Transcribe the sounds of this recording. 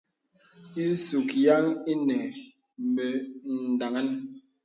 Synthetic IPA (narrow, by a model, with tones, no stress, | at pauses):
i˦su˨kja˦ŋi˦nɛ˨ | me˨n̩˨da˨ŋa˦n